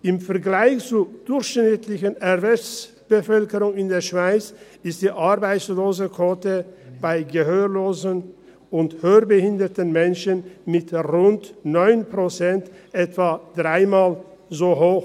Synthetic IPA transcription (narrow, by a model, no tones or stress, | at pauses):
ʔɪmfɛɐɡlaɪçt͡suːɐd̥ʊɐçʃnɪtʰlɪçənɛvɛt͡s | b̥əfœlkəʁʊŋɪndeːɐʃv̥aɪt͡s | ɪst̚d̥iːʔaɐbaɪt͡sloːzəkʰoːtəb̥aɪɡəɦøːloːzən | ʊnthøːɐbəhɪndɐtənmɛnʃənmɪtʁʊntnɔʏnpʁ̥ot͡sɛntʔɛtv̥aːd̥ʁaɪmaːl | zoːɦoːx